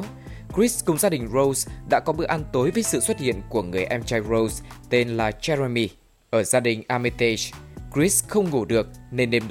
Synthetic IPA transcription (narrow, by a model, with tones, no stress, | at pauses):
kɹi˦˥skʊ˨˩ŋ͡mzaː˧ɗï˨˩ŋ̟ɹo˧wsɗa̰ː˧˥kɔ˨˦ɓɨ˧əʔa˧nt̪o˨˦jvəː˨˦jsɨ̰˧˨swə˦˥t̚hḭ˧˨ənku˧˩əŋɨ˨˩əjʔɛ˧mt͡ɕa˧jɹo˧wst̪e˧nlaː˨˩t͡ɕɛ˧ɾa˧mi˧ | ʔəː˧˩zaː˧ɗï˨˩ŋ̟ʔaː˧mi˧t̪e˧kɹi˦˥sxə˧wŋ͡mŋu˧˩ɗɨ˨˩ək̚ne˧nɗe˧mɗ